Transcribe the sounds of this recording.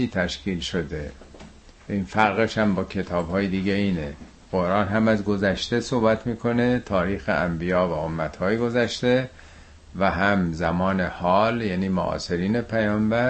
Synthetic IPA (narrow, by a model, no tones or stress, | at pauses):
iːt̪ʰæʃciːlʃod̪e̞ | ʔiːnfæɾɣeʃhæmbɒːcʰe̞t̪ʰɒːbhɒːjed̪iːɡeiːne | ɢ̥oɾʔɑːnɦæmæzɡo̞zæʃt̪e̞sohbæt̪ʰmiːkʰo̞ne̞t̪ʰɒːɾiːxḛʔæmbijɒːvæomːæt̪hɒːjeɡo̞zæʃt̪e | væɦæmzæmɒːne̞hɒːljæniːmo̰ʔɒ̰ːseɾiːne̞pʰæjɒːmbæɾ